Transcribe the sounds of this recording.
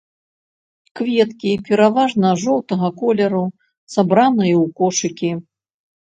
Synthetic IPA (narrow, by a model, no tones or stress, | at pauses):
kvʲɛt̪kʲipʲɛɾavaʐnɐʐɔwt̪ɐɣɐkɔlʲɐɾu | sabɾanɐjɐwkɔʂɨkʲi